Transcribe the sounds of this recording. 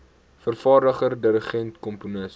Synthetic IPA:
fərfɑːrdəχərdəɾəχɛntkɔmpunəs

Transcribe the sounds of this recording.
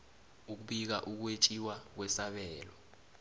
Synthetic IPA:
uk̬uɓik̬aʔuk̬uwet͡ʃʼiwak̬wɛsaɓɛːlɔ

